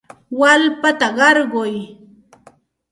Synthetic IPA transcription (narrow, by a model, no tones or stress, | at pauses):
walpat̪aɢɑɾɢʊj